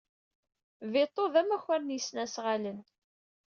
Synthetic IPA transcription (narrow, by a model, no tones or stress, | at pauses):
vɪt̪ˤːoðæmæçæɾnjəsnæsʁalən